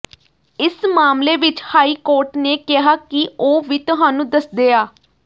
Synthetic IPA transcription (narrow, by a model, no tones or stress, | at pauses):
ɪsmaːmleːʋɪt͡ʃhaːiːkoːɾʈneːkɪɦaːkɪoːʋiːt̪ʊɦaːnũːd̪əsd̪eːaː